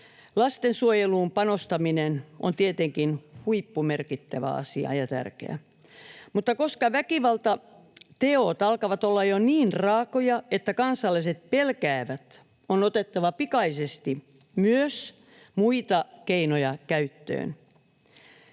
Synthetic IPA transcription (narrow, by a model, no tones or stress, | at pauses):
lɑst̪ensuojeluːmpɑnost̪ɑminenʔont̪iet̪eŋkinhuipːumerkit̪ːæʋæ̰ɑ̰siɑ̰jɑt̪æ̰rkḛæ̰ | mut̪ːɑkoskɑʋækiʋɑlt̪ɑ | t̪eot̪ɑlkɑʋɑt̪olːɑjoniːnrɑːkojɑet̪ːækɑnsɑlːɑiset̪̚pelkæːʋæt̪ | onot̪et̪ːɑʋɑpikɑisest̪i | myøs | muit̪ɑkeinojɑkæyt̪ːø̰ːn